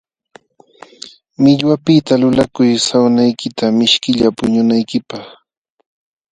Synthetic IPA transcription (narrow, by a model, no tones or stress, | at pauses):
mɪʎwapɪt̪alʊlakʊjsawnajkɪt̪amɪʃkɪʎapʊɲʊnajkɪpɑχ